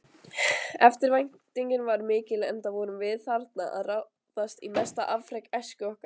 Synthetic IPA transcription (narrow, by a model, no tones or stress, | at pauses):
ɛft̪ɪɾvajn̥t̪iɲcɪnvaɾmɪːcɪlɛ̰nt̪avɔɾʏmvɪðθaɾt̪naʔa̰ðra | ðast̪ḭmɛst̪aʔavfɾɛjkɛscʏɔhka